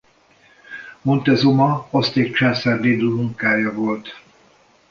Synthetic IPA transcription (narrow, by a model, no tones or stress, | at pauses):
mont̪ɛzomɒɒst̪eːkt͡ʃaːnsard̪iːd̪omuŋkaːjɒvo̞lt̪